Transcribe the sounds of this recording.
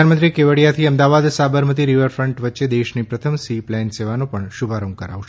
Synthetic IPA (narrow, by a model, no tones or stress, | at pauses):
anmənt̪ɾikeʋəɽjat̪ʰiəmd̪aʋad̪sabəɾmət̪̬iɾiʋəɾfɾəɳʈʋətːʃed̪eʃnipɾət̪ʰəmsiplɛnseʋanopəɳʃubʱaɾəŋɡkəɾa̰ʋʃe